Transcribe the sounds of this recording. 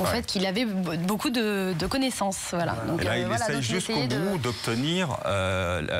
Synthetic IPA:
ɑ̃fɛt̪kʰʲilavɛbokud̪əd̪əkɔnesɑ̃svwala̰d̪ɔ̃kklailealasɛjʒyskoɡud̪ɔp̚t̪əniʁø̰

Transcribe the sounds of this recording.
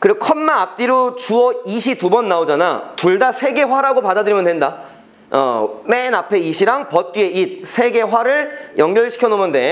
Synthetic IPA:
kɯɾikʰʌnmaːp̚t͈iɾot͡ɕuʌiɕʰitubʌnːaod͡ʑanatuɭdasʰe̞ɡe̞waɾaɡopadadɯɾimʌndwenda | ʌ̰menapʰe̞iɕʰiɾaŋpʌt̚t͈ɥie̞ʔit̚sʰe̞ɡe̞ɸwaɾɯɭjʌŋɡjʌɭɕʰi̥kʰʌnomɯnde̞

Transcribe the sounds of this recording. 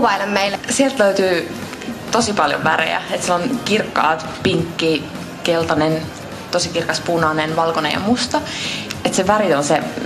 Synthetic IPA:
ʋɑilemmeilsielt̪løyt̪yː | t̪osipɑljo̰ʋʋæɾḛjæ̰et̪sielonkirkːɑ̰ːt̪ | piŋkːiː | kelt̪ɑnen | t̪osikirkɑspunɑnenʋɑlkonḛjɑ̰must̪ɑet̪seʋærionse

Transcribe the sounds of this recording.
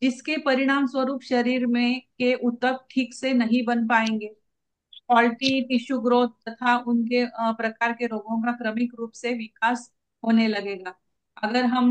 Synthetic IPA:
d͡ʒɪskepɐɾɪɽ̃aːmswʋəɾuːpʃɐɾiːɾmẽkeʔʊt̪ːək̚ʈʰiːksenɐɦĩbɐnpaːẽːŋɡeː | pɔːlʈipɪʃuɡɾoːt̪̚t̪ɐt̪ʰaʊnk̬epɾɐkaːɾkeɾoːɡõkakɾɐmɪkɾuːpseʋɪkaːs | ɦoːnelɐɡeːɡaː | ɐɡəɾɦɐm

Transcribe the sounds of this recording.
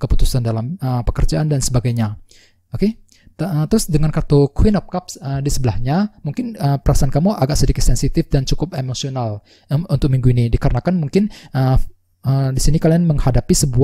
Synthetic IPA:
kəput̪u̥sandalaməpəkərd͡ʒaʔandansəbaɡajɲa | oke | ət̪əɾʊsdəŋankart̪okwɪnɔp̚kapsədisəbəlahɲamuŋkɪnəpəɾasaankamuʔaɡaʔsədikɪt̪̚sɛnsit̪ɪfdant͡ʃukʊpemosional | unt̪ʊk̚miŋɡuinidikaɾənakanmuŋkɪnə | ədisinikalianməŋhadapisəbu

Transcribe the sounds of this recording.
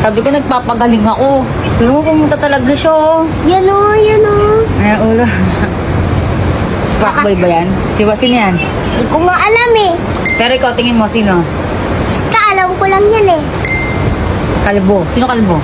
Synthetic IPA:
saːbɪkonɐɡ̚paːpɐɡɐlɪŋɐko | t̪ʊlmopʊmʊnt̪ɐt̪ɐlɐɡaʃa | jɐnojɐnoɐjaʔuːlo | sɪpakbajbɐjan | sɪwɐsɪnjan | kʊŋaʔɐlamɛ | pɛːɾoʔɪkawt̪ɪŋɪnmosiːno | st̪aʔɐlɐmkolɐŋjanɛ | kɐlbosiːnokɐlbo

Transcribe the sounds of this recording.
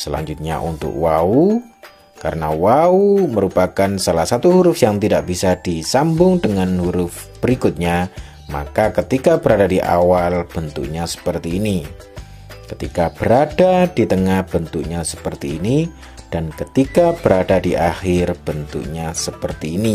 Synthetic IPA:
səla̰ɲd͡ʒʊt̪̚ɲa̰ʔṵnt̪ʊ̰kwau | ka̰ɾənawauməɾupakansalahsat̪uɦuɾʊfjaŋt̪idaʔb̥isadisambʊŋdəŋanhuɾʊf | b̥əɾikʊt̪̚ɲa | ma̰kakət̪ikabəɾadadiʔa̰walb̥ənt̪ṵk̚ɲasə̥pərt̪iːni | kət̪ikab̥əɾadadit̪əŋahb̥ənt̪uk̚ɲasə̥pərt̪iːni | d̥ankət̪ikab̥əɾadadiʔaxɪrb̥ənt̪ṵk̚ɲasəpərt̪iːni

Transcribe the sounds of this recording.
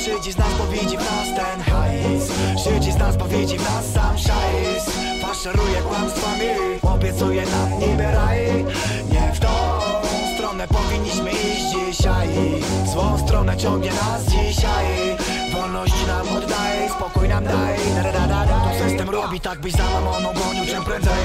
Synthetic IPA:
ʂɘd͡ʑiznaspɔvʲid͡ʑinast̪ɛnxajsʂɘd͡ʑiznaspɔvʲjid͡ʑivnasːamʂajs | faʂɛɾujɛkwanst̪favi | ɔbʲjɛt̪sujɛnasɲɛbʲɛɾaj | ɲɛft̪ɔ | st̪ɾɔnɛpɔvʲiɲːiɕmɘiʑd͡ʑiɕaj | zwɔ̃w̃st̪ɾɔnɛt͡ɕɔ̃ŋɡɲɛnasd͡ʑiɕaj | vɔlnɔɕt͡ɕinavud̪d̪ajɛspɔkujnamd̪aj̪ɛɾɛd̪ad̪aaɔzɛjɛst̪ɛmɾɔbʲit̪aɡ̚bɘd͡ʑd̪awamɔnɔ̃bɾɔɲut͡ʂɛmpɾɛnzɛj

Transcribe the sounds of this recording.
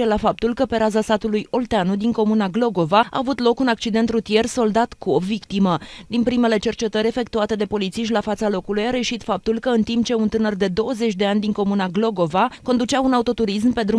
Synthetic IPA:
elafap̚t̪ulkəpe̞ɾazasat̪ulujo̞lt̪eanud̪iŋko̞munaɡlo̞ɡo̞vaa̰ːvut̪lo̞kunak̚t͡ʃid̪e̞nt̪rut̪ije̞rso̞ld̪at̪kuobvikt̪iməd̪inpɾime̞le̞t͡ʃe̞rt͡ʃe̞t̪əɾʲe̞fe̞k̚t̪uat̪e̞d̪e̞po̞lit̪siʃ̬t̪ʲlafat̪salo̞kulujaɾe̞jəʃit̪fap̚t̪ulkəɨnt̪impt͡ʃe̞unt̪ɨnərd̪e̞d̪o̞wəze̞t͡ʃʲd̪e̞anʲd̪iŋko̞munaɡlo̞ɡo̞vako̞nd̪ut͡ʃaunaut̪o̞t̪uɾis̬mpe̞d̪ɾu

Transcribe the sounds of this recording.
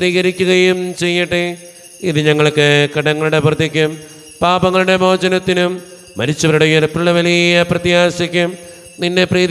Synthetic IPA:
riːɣɐɾikʲːuɣɐjumt͡ɕe̞jːiʈːɨ | iðɨɲɐŋːɐɭokːɨkɐɽɐŋːɐɭuɽe̞prt̪ːikʲːum | paːbɐŋːɐɭuɽe̞mo̞ːd͡ʑɐnɐt̪ːinumː | ɐɾit͡ɕːuprɐɽɐjɐðpːɭɐʋɐlijjɐprɐt̪jaːsikʲːum | ninːe̞priː

